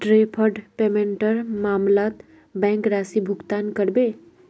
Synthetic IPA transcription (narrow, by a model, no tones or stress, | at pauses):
ɖɾeːpʰəɾɖpeːmẽɳʈəɾmaːmlaːt̪ | bɛ̃ːŋkɾaːsibʱʊɡt̪aːnkəɾbe